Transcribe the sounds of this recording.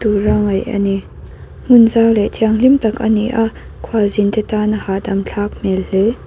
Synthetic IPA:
tuɾaŋɐjʔɐ̰ni | ŋ̥unzawlɛt̪ʰiaŋlimtɐkʔɐniʔa | kʰwazint̪ɛt̪anahadɐmɬʰak̚mɛllɛ

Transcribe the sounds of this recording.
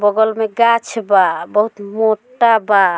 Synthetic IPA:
bɔɡɔlmeɡat͡ʃʰbabəɦut̪moʈaba

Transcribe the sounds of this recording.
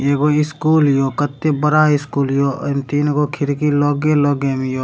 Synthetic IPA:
eːkoɪskuːljoːkət̪ːebəɾaːɪskuːljoːmt̪iːnɡokʰɪɾkiloːɡeloːɡemijo

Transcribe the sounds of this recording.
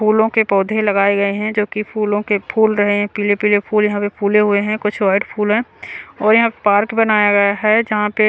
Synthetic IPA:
puːlõkepɔːd̪ʱelɐɡaːeɡɐeɦɛ̃d͡ʒoːkipʰuːlõkepʰuːlɾɐɦeɦɛ̃piːlepiːlepʰuːljɐɦãpepʰuːleɦʊeɦɛ̃kʊt͡ʃʰwaːɪɖpʰuːlɦɛ̃ɔːɾjɐɦãppaːɾkbɐnaːjaɡɐjaɦɛd͡ʒɐɦãpe

